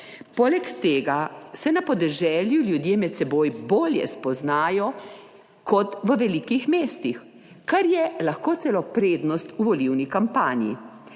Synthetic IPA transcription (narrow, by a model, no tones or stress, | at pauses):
poːlɛkt̪eːɡasɛnapɔd̪ɛʒɛːljuljud̪jeːmɛt̪sɛboːjboːljɛ̰spɔznaːjɔ | kɔt̪ʋəʋɛlikixmeːst̪ix | kaɾjɛlaxkoːt̪sɛlɔpɾeːd̪nɔst̪uʋɔliwnikampaːnjḭ